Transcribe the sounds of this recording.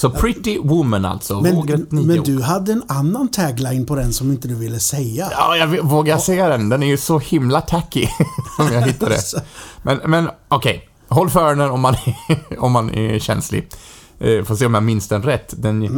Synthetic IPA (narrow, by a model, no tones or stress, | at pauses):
sɔpʰɾɪt̪ːɪwʊməna̰lt̪sɔvoɡət̪nimɛd̪ʉɦad̪ːəɛnanːant̪ʰɛɡlaɪnpʰɔd̪ɛnsɔmɪnt̪əd̪ʉvɪlːəsɛjaɑ̰ːjɑvɪvoːɡaɾsɛjːad̪ɛnd̪ɛnæɾjʉsɔhɪmlat̪ʰækːɪsɔmjɑɡɦɪt̪ːad̪ɛ̰mɛnmɛnɔkʰɛj | ɦɔlːfœːɾəɳənɔmːanɔmːanɛ̰ɕɛ̰nslɪ̰ | foːs̬eːɔmjamɪnst̪ənɾɛt̪ːd̪ɛn